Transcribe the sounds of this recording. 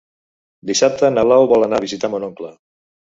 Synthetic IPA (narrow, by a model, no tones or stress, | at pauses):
d̪isap̚t̪ənaβlawβɔlanaβizit̪amonɔŋkla